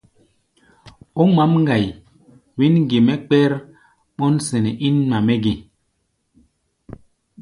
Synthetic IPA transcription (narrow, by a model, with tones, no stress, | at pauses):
o˦ma˦mŋ˦ɡa˨j | wi˦nɡe˨mɛ˦k͡pɛ˦ɾ | ɓɔ˦nsɛ˨nɛ˨ʔi˦nma˨mɛ˦ɡi˨